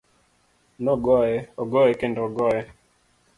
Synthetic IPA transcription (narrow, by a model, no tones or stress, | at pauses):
nɔɡɔɛɔɡɔɛkendɔɡɔɛ